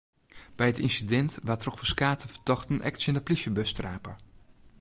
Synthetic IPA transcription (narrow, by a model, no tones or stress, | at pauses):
b̥ɛjətinsidɛntʋatrɔxfəskaːtʰəfə̥tɔxtənʔɛ̰ktsjəndəplisjəbøstraːpəɹ